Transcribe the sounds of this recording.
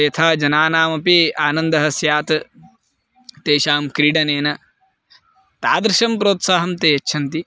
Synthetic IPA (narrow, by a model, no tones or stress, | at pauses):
jɐt̪ʰaːd͡ʒɐnaːnaːmɐpiaːnɐnd̪ɐɦɐsjaːt̪ɐ | t̪eːʃaːmkɾiːɖɐneːnɐ | t̪aːd̪ɾɪʃɐmpɾoːt̪saːɦɐmt̪eːjɐt͡ʃːʃʰɐnt̪i